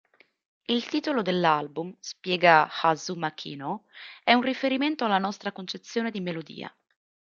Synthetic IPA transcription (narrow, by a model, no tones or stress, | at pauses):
ilt̪iːt̪olod̪elːalbumspjɛːɡaxazumakʰḭːnoɛunrifeɾiment̪oalːanɔst̪ɾakont͡ʃet̪sːjoːned̪imelod̪ḭːa̰